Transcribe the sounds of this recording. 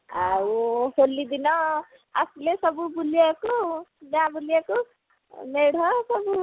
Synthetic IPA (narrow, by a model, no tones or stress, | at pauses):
aoholːid̪inʌ | a̰sulesʌbubuliekonabulieko | neɽ̤ʌsʌbu